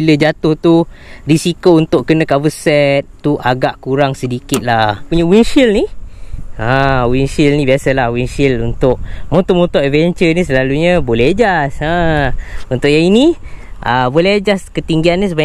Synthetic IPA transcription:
iləd͡ʒat̪ʊht̪u | risikount̪ʊʔkənãkavəsɛt̪̚t̪ːuʔaɡaʔkuɾaŋsədikɪt̪̚lahpuɲəwinʃilni | ãwinsilnĩbiasəlahwinsilunt̪ʊʔ̚mot̪omunt̪ɔʔɛvɛɲt͡ʃənisəlaluɲəbolɛhad͡ʒasa | unt̪ʊʔjaŋiniʔəbolɛɦad͡ʒaskət̪iŋɡiannis̬əba

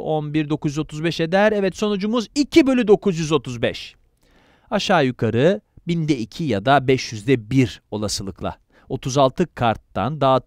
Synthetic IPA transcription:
onbiɾd̪o̞kʰuzjyzo̞t̪ʰuzbɛʃe̞d̪æɾɛvɛt̪so̞nud͡ʒumuzicʰibø̞lʲyd̪o̞kʰuzjyzo̞t̪ʰuzbɛʃ | aʃaːjukʰaɾɯbind̪ɛicʰijad̪abɛʃjyzd̪ɛbiɾo̞lˠasɯlˠɯklˠa̰ | o̞t̪ʰuzalˠt̪ʰɯkʰaɾt̪ːa̰nd̪aː

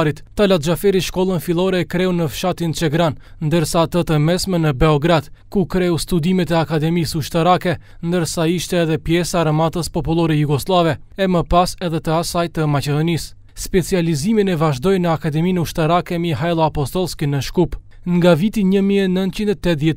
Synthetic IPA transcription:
ɾit̪t̪alat̪̚d͡ʒafɛɾiʃkɔlˠənfilˠɔɾɛkɾɛunəfʃat̪int͡ʃɛɡɾannd̪əɾsaːt̪ət̪əmɛsmɛnəbɛɔɡɾad̪̥kukɾɛust̪ud̪imɛt̪ɛakad̪ɛmisuʃt̪aɾakɛ | nd̪əɾsaiʃt̪ɛːðɛpjɛsaɾəmat̪əspɔpulˠɔɾɛjuɡɔslˠavɛɛməpasɛðɛt̪əasajt̪əmat͡ʃɛd̪ɔnis | spɛt͡sializiminɛvaʒd̪ɔjnəakad̪ɛminuʃt̪aɾakɛmiɦajlˠɔapɔst̪ɔlˠskinəʃkup | ŋɡavit̪iɲəmiɛnənt̪̚t͡ʃind̪ɛt̪ɛt̪ðjɛt̪

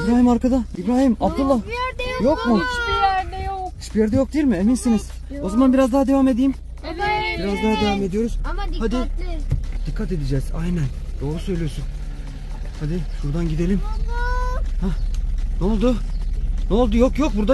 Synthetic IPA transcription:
ibɾaːɦimaɾkad̪aibɾaːɦimabd̪ulˠːajokmʊ | hit͡ʃbijɛɾd̪ɛjok̚d̪ejilʲmɪeminsiniz̥ | o̞zamanbiɾazd̪aɦad̪e̞vame̞d̪ijim | iɾazd̪aɦad̪e̞vame̞d̪ijo̞ɾuz̥had̪ɪ | d̪̥ikʰːat̪e̞d̪id͡ʒɛza̰jnæn | d̪̥o̞ːɾusø̞jlʲijo̞ɾsun | had̪ɪʃuɾd̪anɟid̪e̞lʲim | hanolˠd̪ʊ | nolˠd̪ujokjok̚buɾd̪a

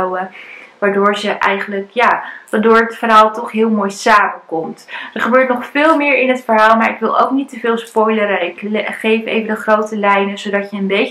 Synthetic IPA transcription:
wəʋaːɹdʊːɹzəʔɛjχənləkjaːʋaːdʊːɹətfərɦaːlˠtɔχɦɪːlˠmoːjsaːməkɔmtdəɹχəbøːɹtnɔχfɪːlˠmɪːɹɪnɦətfəɹɦaːlˠmaːɹɪkʋɪlˠʔo̰wknitəvɪːlˠspɔjləɾəɪkχejfejvədəχrowtəlɛjnəzowdɑtjəːnbej

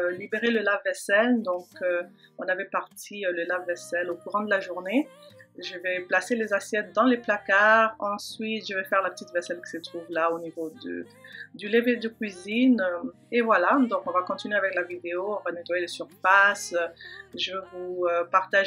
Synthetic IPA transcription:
libeʁeləlavːɛsɛld̪ɔ̃kø | ɔ̃navɛpaʁt̪ʰiøləlavːɛsɛlokuʁɑ̃d̪əlaʒuʁneʒəvɛplaselezasjɛt̪̚d̪ɑ̃leplakaʁɑ̃sɥit̪ʒəvɛfɛʁlapə̥t̪it̪vɛsɛlkʲi̥sət̪χuvlaonivod̪ə̰ | d̪yleved̪əkʲɥizin | evwalad̪ɔ̃kɔ̃vakɔ̃t̪inyɥeavɛklavid̪eoɔ̃vənet̪wajelesyʁfas | ʒəvøvuøpaʁt̪aʒ

